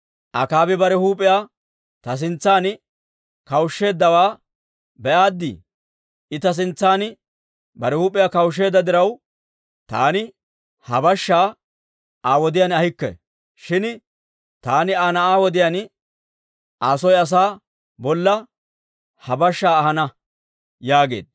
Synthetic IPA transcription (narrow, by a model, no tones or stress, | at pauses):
ʔɐ̰kaːbɪbɐɾɛhuːpʼːɪjaː | t̪ɐs̬ɪnt͡sːaːn | kɐwʊʃːe̞ːd̪ːɐwaː | bɛʔaːd̪ːɪ̰ | ɪt̪ɐs̬ɪnt͡sːaːn | bɐɾɛhuːpʼɪjaːkɐwʃ̬ːe̞ːd̪ːɐd̪ɪɾɐw | t̪a̰ːnɪ | hɐbɐʃːaː | aːwɔd̪ɪjanɐhɪkːɛ̰ | ʃɪn | t̪aːnɪaːnɐaːwɔd̪ɪjan | aːsɔjɐs̬aː | bɔlːɐ | hɐbɐʃːaːhɐnɐ | jaːɡe̞̰ːd̪̥̚